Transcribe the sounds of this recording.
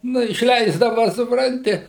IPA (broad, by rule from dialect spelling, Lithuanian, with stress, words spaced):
ˈnʊ ɪʃʲˈlʲɛɪzdɐʋɐ sʊpˈrɐnʲtʲɪ